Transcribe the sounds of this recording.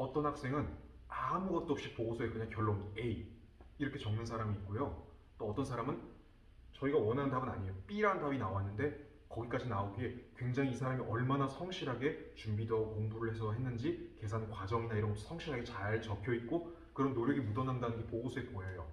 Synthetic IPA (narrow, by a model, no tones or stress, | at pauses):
ʌt͈ʌnhak̚s͈e̞ŋɯn | amuɡʌt̚t͈oop̚ɕ͈ipoɡosʰoekɯɲaŋkjʌɭːonei | iɾʌkʰe̞t͡ɕʌŋmɯnsʰaɾamiːt̚k͈ojo | t͈oʌt͈ʌnsʰaɾamɯn | t͡ɕʌiɡawʌnɦandabɯna̰ɲijop͈iɾandabinawanːɯnde̞ | kʌɡik͈ad͡ʑinaoɡie̞kwe̞ŋd͡ʑaŋiːsʰaɾamiʔʌɭmanasʰʌŋɕʰiɾɦaɡe̞t͡ɕumbidʌkoŋbuɾɯɭhe̞sʰʌɦe̞nːɯnd͡ʑike̞sʰannkwad͡ʑʌŋinaiɾʌnsʰʌŋɕʰiɾaɡe̞t͡ɕaɭt͡ɕʌpkʰjʌit̚k͈o | kɯɾʌnːoɾjʌɡimudʌnɦandanɯnɡe̞poɡosʰoɦet̚k͈ojajo